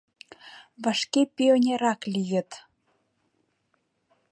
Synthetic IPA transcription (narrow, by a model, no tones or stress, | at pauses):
βɑʃkepʲionʲeɾɑklʲijə̆t̪